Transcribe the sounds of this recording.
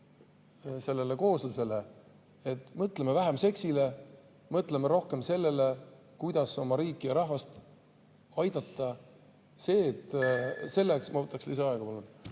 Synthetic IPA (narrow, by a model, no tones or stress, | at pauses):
se̞lːe̞le̞ko̞ːslese̞le | et̪ːˑmɤt̪ˑlemevæɦemse̞ksile̞ | mɤt̪ˑle̞meɾo̞hke̞mse̞lːe̞le̞ | kujd̪̥ɑso̞mɑɾiːkˑːijɑɾɑhvɑst̪ | ɑjd̪̥ɑt̪ːˑɑ | se̞ːt̪ːˑse̞lːeksmɑvɤt̪ːˑɑkslisɑɑeɡ̥ɑpɑlun